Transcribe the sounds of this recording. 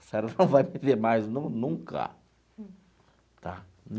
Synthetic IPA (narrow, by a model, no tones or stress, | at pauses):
sɛɾɐnɐ̃w̃vajpẽd̪eɾmajznũnũkɐ̰ | t̪a | n